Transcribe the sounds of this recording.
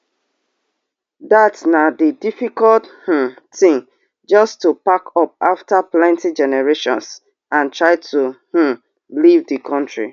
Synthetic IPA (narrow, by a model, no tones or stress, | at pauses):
datnadidifikɔlth̩tĩŋ | d͡ʒɔstːupakɔp̚aftaplɛ̃ntid͡ʒɛnɛɹeʃɔ̰̃ns | ãntɹaɪtʰuh̩ | livdikʰɔ̃ntɹḭ